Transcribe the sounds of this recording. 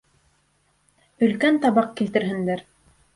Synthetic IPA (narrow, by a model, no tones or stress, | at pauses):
ɵ̆lkænt̪ɑβɑq̚kilt̪ɘ̆ɾɦɘ̆nd̪æɾ